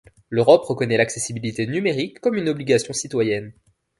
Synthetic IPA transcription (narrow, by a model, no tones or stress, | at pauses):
løʁɔpʁəkɔnɛlaksesibilit̪enymeʁikːɔmynɔbliɡasjɔ̃sit̪wajɛn